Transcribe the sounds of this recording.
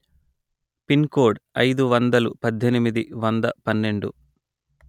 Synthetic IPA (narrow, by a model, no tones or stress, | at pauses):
pinkoːɖɐjd̪uʋɐnd̪ɐlupɐd̪ʱːenimid̪iʋɐnd̪ɐpɐnːe̞ɳɖṵ